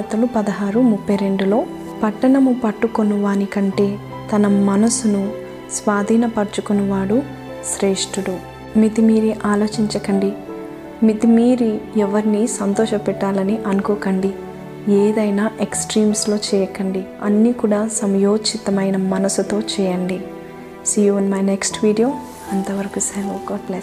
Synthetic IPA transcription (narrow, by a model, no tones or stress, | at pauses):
ɐt̪ɐlupɐd̪ɐɦaːɾumupːɐjɾe̞ɳɖulo̞ː | pɐʈːɐɳɐmupɐʈːukonuʋaːnikɐɳʈe̞ː | t̪ɐnɐmɐnɐsunu | sʋaːd̪ʱiːnɐpɐɾt͡ʃukonɐʋaːɽu | ʃɾeːʂʈuɽu | mit̪imiːɾiʔaːlo̞ːt͡ʃiɲt͡ʃɐkɐɳɖi | mit̪imiːɾiɛʋɐɾinisɐnt̪ɔːʃɐpɛʈːaːlɐniʔɐnukoːkɐɳɖi | eːd̪ɐjnaːʔeksʈɾiːmslo̞ːt͡ʃɛːjɐkɐɳɖiɐnːiːkuːɽaːsɐmɐjoːt͡ʃit̪ɐmɐjnɐmɐnɐsut̪o̞ːt͡ʃɛːjɐɳɖi | sijoːnmɐjneksʈʋiːɖijoː | ɐnt̪ɐʋɐɾɐkuselɐkɔʈle